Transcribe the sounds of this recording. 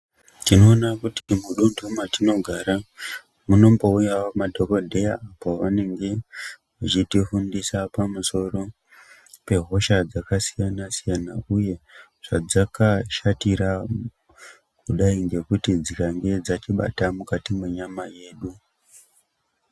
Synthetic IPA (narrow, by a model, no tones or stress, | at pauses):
tino̞ːnakutimuɗundʱumatino̞ɡʱaɾa | muno̞mbo̞ujawamadʱo̞ko̞dʱe̞jaːpo̞ʋane̞ŋɡe̞mut͡ʃitifundisapamuso̞ro̞ | pe̞ɦo̞ʃad͡zakasijanasijanauje̞ | ʐ̥ad͡zakaʃatiɾa | kuɗaiŋɡe̞kutid͡zikaŋɡe̞d͡zat͡ʃiɓa̰tamukatimeɲamaje̞ːɗu